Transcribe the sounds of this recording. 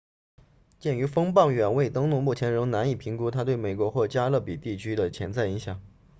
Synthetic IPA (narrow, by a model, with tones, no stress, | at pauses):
t͡ɕjɛ˥˩ny˧˥fɤ˥ŋpɑ˥˩ŋɥɛ˨˩nwe˥˩ɪt̪ɤ˥ŋnʊ˥˧ŋmu˥˩t͡ɕʰjɛ˧˥nɻɤ˧˥ŋna˧˥ni˨˩pʰi˧˥ŋku˥t̪ʰa˥t̪we˥˩ɪme˨˩ɪkwɔ˧˥xwɔ˥˩t͡ɕja˥lɤ˥˩pi˨˩t̪i˥˩t͡ɕʰy˥d̪ə˨t͡ɕʰjɛ˧˥nt͡sa˥˩ɪi˧˥ŋɕjɑ˨˩˦ŋ